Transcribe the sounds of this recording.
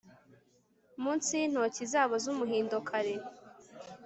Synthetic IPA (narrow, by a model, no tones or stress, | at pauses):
muːnsin̥ho̞cizaːβozumuɦiːndokʰaɾe